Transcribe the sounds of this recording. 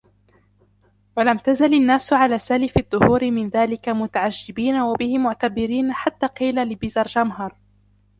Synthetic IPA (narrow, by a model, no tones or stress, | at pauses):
walamt̪azalanːaːsʕalaːsalɪfɪðˤːʊhuːɾɪmɪnðaːlɪkamʊt̪aʕaʒːɪbiːnawabɪhɪmʊʕt̪abɪɾiːnħat̪ːaːqiːlalɪbɪzɑɾˤd͡ʒamɦɑɾˤ